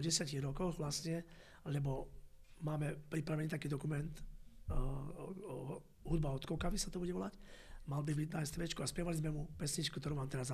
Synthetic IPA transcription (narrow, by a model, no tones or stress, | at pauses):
ɟɛsjaciɣɾɔkɔɣʋlasɲɛ | lɛbɔmaːmɛpɾipɾaʋɛniːt̪akiːd̪ɔkumɛnt̪ | ɦud̪̚baɔt̪kɔʊkaʋisat̪ɔbuɟɛɔlacmalbibiɟnajst̪ʋɛt͡ʃkuaspjɛʋalizmɛmupɛsɲit͡ʃkukt̪ɔɾuːʋaːmt̪ɛɾaza